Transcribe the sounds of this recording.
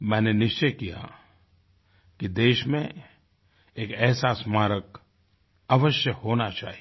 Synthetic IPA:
mɛ̃ːnenɪʃt͡ʃəjkija̰ | kid̪eːʃmẽ | eːkɛːɦsasmaːɾək | əʋəʃjəhoːnat͡ʃa̰ːɦi

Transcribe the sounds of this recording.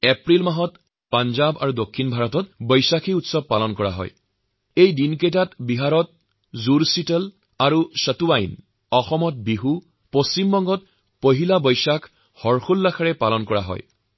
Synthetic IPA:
epɹilmaɦɔt | panzaba̰ɹudokʰːinbʱaɹɔtɔt̚bɔjsakiutsɔb̚palɔnkɔɹa̰ɦɔ̰j | ejdinkejtatbiɦaɹɔt̚ | zuɹsitəl | aɹusətuajn | ɔxɔmɔt̚biɦu | post͡ɕimbɔŋɡɔt | poɦilabɔjsakʰ | hɔɹxulːakʰaɹɛpalɔnkɔɹa̰ɦɔ̰j

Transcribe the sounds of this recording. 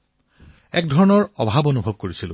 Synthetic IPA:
ɛkdʱɔɹɔnɔɹɔbʱabonubʱɔb̚koɹisilʊ̰̃

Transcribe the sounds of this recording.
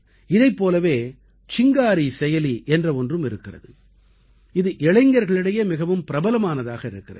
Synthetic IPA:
ɪðɐɪpːoːlɐʋeː | t͡ʃɪŋɡaːɾisɛjɐliʔɛndrɐɔndrɯmɪɾɯkːɪrɐ̰ðɯ | ɪðɯʔɛɭɐɪŋɡɐɾɣɐɭɪɽɐjeːmɪɣɐʋɯmpɪɾɐbɐlɐmaːnɐðaːɣɐɪɾɯkːɪrɐð

